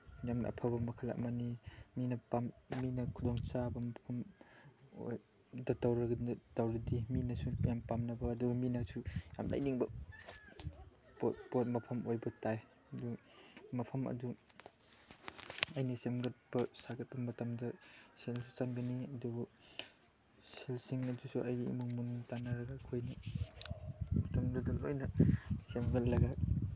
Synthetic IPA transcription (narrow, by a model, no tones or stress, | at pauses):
jamnʔɐ̰pʰabɐmɐkʰala̰k̚maniminɐpamːinɐkʰudɔŋt͡ʃabɐmɐpʰɐm | o̰j | dɐtawɾɐɡndawɾɐdiminɐsujampamnɐbɐːduɡɐminasuja̰mla̰jniŋbɐ | potpot̚mɐpʰɐmojbɐtaj | ɐdu | mɐpʰɐmɐ̰du | ajnisemɡɐt̚bɐsaɡɐt̚bɐmɐtɐmdɐsensʰut͡ʃanɡaniɐdubu | silsiŋɐdusuʔajɡḭmuŋmuntanaɾɐɡakʰojnɐ | mɐtʰɐmdudɔlo̰jnɐsemɡat̚lɐɡa